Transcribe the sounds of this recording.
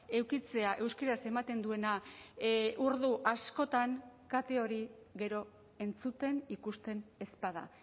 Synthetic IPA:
e̞wkit͡se̞aʔe̞wskeɾase̞mat̪e̞nd̪ue̞na | ʔuɾðuʔasko̞t̪aŋkat̪e̞o̞ɾiɣe̞ɾo̞ | e̞nt͡sut̪e̞nikust̪e̞ne̞spað̞a̰

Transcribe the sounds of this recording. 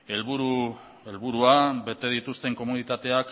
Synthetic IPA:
e̞lβuɾu | elβuɾuabe̞t̪e̞ð̞it̪ust̪e̞ŋko̞munit̪at̪e̞ak

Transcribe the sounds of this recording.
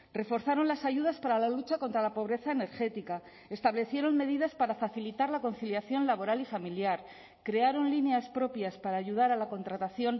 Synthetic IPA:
re̞fo̞ɾθaɾo̞nlasaʝuð̞aspaɾalalut͡ʃako̞nt̪ɾalapo̞β̞ɾe̞θaene̞ɾxe̞t̪ika | e̞st̪aβle̞θje̞ɾo̞nme̞ð̞iðaspaɾafaθilit̪aɾlako̞n̟θiljaθjo̞nlaβo̞ɾalifamiljaɾ | kɾe̞aɾo̞nlineaspɾo̞pjaspaɾaːʝuð̞aɾalako̞nt̪ɾat̪aθjo̞n

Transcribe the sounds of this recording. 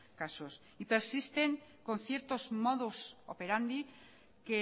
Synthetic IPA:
kasos | ipe̞ɾsist̪e̞ŋko̞n̟θje̞ɾt̪o̞zmo̞ðusope̞ɾand̪i | ke

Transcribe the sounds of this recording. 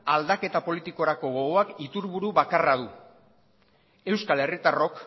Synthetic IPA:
ald̪ake̞t̪apo̞lit̪iko̞ɾako̞ɣo̞ɣoakit̪uɾβuɾuβakarað̞u | e̞wskale̞rit̪aro̞k

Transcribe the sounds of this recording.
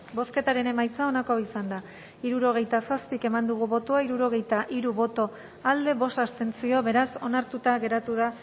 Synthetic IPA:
bo̞ske̞t̪aɾe̞ne̞majt͡sao̞nakoisand̪a | iɾuɾo̞ɣ̞e̞jt̪asaspike̞mand̪uɣ̞uβo̞t̪oaiɾuɾo̞ɣ̞e̞jt̪aʔiɾuβo̞t̪o̞ | ald̪e̞βo̞sast̪e̞nt͡sio̞βe̞ɾaso̞naɾt̪ut̪aɣe̞ɾat̪uða

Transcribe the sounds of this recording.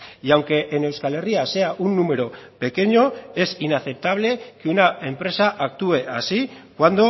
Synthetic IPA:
jawŋke̞ʔːne̞wskale̞riase̞aʔunːume̞ɾo̞pe̞ke̞ɲo̞e̞sinaθe̞p̚t̪aβ̞le̞keunae̞mpɾe̞saʔak̚t̪ue̞ʔasikwand̪o̞

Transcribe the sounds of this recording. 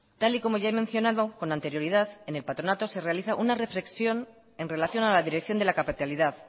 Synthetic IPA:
t̪aliko̞mo̞ʝaemẽ̞nθjo̞naðo̞ko̞nãnt̪e̞ɾjo̞ɾið̞aðe̞ne̞lpat̪ɾo̞nat̪o̞se̞re̞aliθaʔunare̞fle̞ksjo̞n | e̞nre̞laθjo̞nalaðiɾe̞kθjo̞nd̪elakapit̪aliðað

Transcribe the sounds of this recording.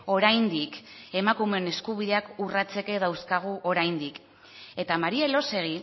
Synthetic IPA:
o̞ɾajnd̪ike̞makume̞ne̞skuβ̞iðe̞akurat͡se̞ke̞ðawskaɣ̞uʔo̞ɾajnd̪ik | e̞t̪amaɾie̞lo̞se̞ɣ̞i

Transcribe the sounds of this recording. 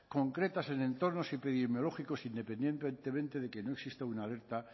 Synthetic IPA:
ko̞ŋkɾe̞t̪ase̞nẽ̞nt̪o̞ɾno̞sepiðemjo̞lo̞xiko̞sind̪e̞pe̞nd̪je̞nent̪emẽnt̪e̞ð̞e̞ke̞no̞e̞ksist̪aunale̞ɾt̪a

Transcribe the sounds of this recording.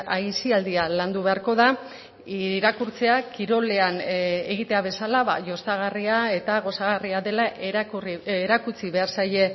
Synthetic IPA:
ajsiald̪ialand̪uβe̞aɾko̞ða | iɾakuɾt͡se̞akiɾo̞le̞ane̞ɣit̪e̞aβ̞e̞salaβa̰ʝo̞saɣ̞ariae̞t̪aɣ̞o̞saɣ̞ariaðe̞laʔreɾakut͡siβe̞aɾsaje

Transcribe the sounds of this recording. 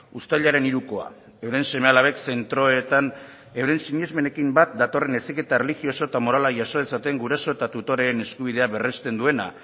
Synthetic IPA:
ust̪aʎaɾe̞niɾuko̞a̰ | e̞wɾe̞nse̞mealaβe̞kse̞nt̪ɾo̞et̪an | e̞wɾe̞nsiɲezme̞ne̞kimbat̪̚d̪at̪o̞re̞ne̞sike̞t̪aerelixio̞soet̪amo̞ɾalaʝaso̞ðesat̪eŋɡuɾaso̞et̪at̪ut̪o̞ɾe̞ene̞skuβ̞ið̞e̞aβe̞rest̪e̞nd̪ue̞na

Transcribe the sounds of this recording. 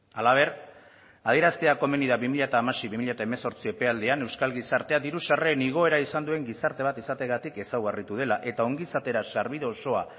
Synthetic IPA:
alaβ̞e̞ɾ | að̞ie̞ɾast̪eako̞me̞niðaβimiʎat̪aːmasiβimiʎat̪ae̞me̞so̞ɾt͡sie̞pe̞ald̪eane̞wskalɣisaɾt̪e̞ad̪iɾusare̞niɣ̞o̞e̞ɾaisand̪ue̞ŋɡisaɾt̪e̞β̞at̪isat̪e̞ɣat̪ike̞sawɣarit̪uð̞e̞laʔe̞t̪ao̞ŋɡisat̪e̞ɾasaɾβiðeoso̞a

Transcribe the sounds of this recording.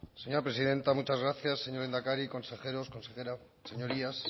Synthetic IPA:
se̞ɲo̞ɾapɾe̞siðe̞nt̪amut͡ʃazɣɾaθjasːeɲo̞ɾend̪akaɾiko̞nse̞xeɾo̞sko̞nseeɾa | se̞ɲo̞ɾias

